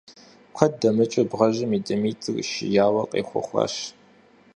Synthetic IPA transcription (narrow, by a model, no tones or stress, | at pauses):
kʷʰɐt̚dɐmɨt͡ʃʼɐbʁɐʒɪmiːdɐmiːtʼɨkʷʼʃɪ̰jaːwɐqʼḛːχʷʊ̰χʷɑ̰ʃ